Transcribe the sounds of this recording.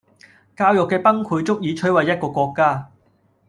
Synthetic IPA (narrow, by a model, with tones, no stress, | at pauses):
kaː˧wjʊ˨kːɛː˧pɐ˥ŋkʰuː˨˧jt͡sʊ˥k̚jiː˨˧t͡ʃʰɵ˥ɥwɐ˨jːɐ˥t̚kɔː˧kʷɔː˧kːaː˥